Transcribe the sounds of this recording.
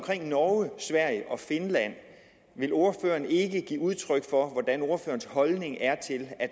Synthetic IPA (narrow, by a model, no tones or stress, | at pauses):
mkʰʁeŋ̰nɒːəsʋæɐ̰jəʔɒ̽fe̝nlæn̰ | ʋe̝lo̝ɐfø̰ːɐne̝ɡ̥əɡ̥ḭːuð̞ˠt͡sʰʁœɡ̥fɒ̽ʋɒd̥æno̝ɐfø̰ːɐnshɒ̽lne̝ŋæɐt͡sʰe̝læ̥